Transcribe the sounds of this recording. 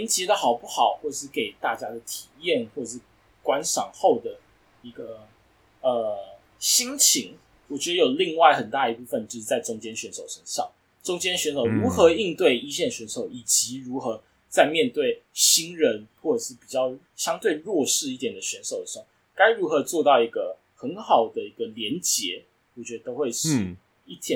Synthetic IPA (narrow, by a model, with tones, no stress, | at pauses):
i˧˥nt͡ɕi˧˥d̪ə˨xɑ˨˩ʊpu˥˩xɑ˨˩˦ʊxwɔ˥˩ʈ͡ʂə˨˩ʂɻ̩˥˩ke˨˩ɪt̪a˥˩t͡ɕja˥d̪ə˨˩t̪ʰi˨˩jɛ˥˩nxwɔ˥˩ʈ͡ʂə˨˩ʂɻ̩˥˩ | kwa˦˥nʂɑ˨˩ŋxo˥˩ʊd̪ə˩ | i˧˥ɡə˧ | ə˧ | ɕi˥ŋt͡ɕʰi˧˥ŋ | wɔ˨˩t͡ɕɥɛ˧˦˥d̪ə˧jo˨˩ʊli˥˧ŋwa˥˩ɪxə˨˩nt̪a˥˩ə˨i˧˥˩pu˥˩fə˥˨nt͡ɕjo˥˧ʊʂ̩˥˩t͡sa˥˩ɪʈ͡ʂʊ˥ŋt͡ɕjɛ˥nɕɥɛ˧˥nʂo˨˩ʊʂə˧˥nʂɑ˥˩ŋ | ʈ͡ʂʊ˥ŋt͡ɕjɛ˥nɕɥɛ˧˥nʂo˨˩ʊɻu˧˥xɤ˧˥i˥˧ŋt̪we˥˩ɪi˥ɕɛ˥˩nɕɥɛ˧˥nʂo˨˩ʊi˨˩t͡ɕi˧˥˦ɻu˧˦˥xɤ˧˦ | t͡sa˥˧ɪmjɛ˥˧nt̪we˥˩ɪɕi˥ŋɻə˧˦nxwɔ˥˩ʈ͡ʂɤ˨˩ʂɻ̩˥˩pi˨˩t͡ɕjɑ˥˧ʊ | ɕjɑ˥ŋt̪we˥˧ɪɻwɔ˥˧ʂɻ̩˥˧i˥˩t̪jɛ˨˩nd̪ə˦ɕɥɛ˧˦˥nso˨˩ʊd̪ə˨˩so˥˨˩ŋ | ka˥ɪɻu˧˥xɤ˧˥t͡swɔ˥˧t̪ɑ˥˩ʊi˧˥ɡə˧ | xə˧˦˥nxɑ˨˩ʊd̪ə˦i˧˥ɡ̥ə˧ljɛ˧˦nt͡ɕjɛ˧˦ | wɔ˨˩t͡ɕɥɛ˧˦d̪ə˧t̪o˥ʊxwe˥˧ɪʂɻ̩˥˩ | i˥˩t̪ʰjɛ˥˩